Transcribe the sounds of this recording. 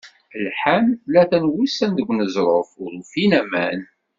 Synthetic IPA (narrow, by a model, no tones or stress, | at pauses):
lħænlæθænwisænðəɡʷnəzɾˤofʊɾufinæmæn